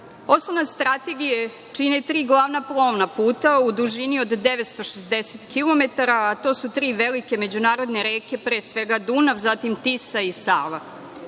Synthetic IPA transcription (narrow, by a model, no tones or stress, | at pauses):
o̞sonast̪ɾat̪e̞ɡije | t͡ʂinet̪ɾiːɡlˠaːʋnaplˠoʋnapuːt̪aud̪uʒinio̞d̪ːeʋet̪st̪o̞ʃezd̪eset̪kilˠo̞me̞t̪aɾaːt̪o̞ːsut̪ɾiːʋelike̞me̞d͡ʑunaːɾo̞d̪neɾeːke̞pɾeːsʋe̞ɡad̪unafzat̪imt̪isaisaːʋa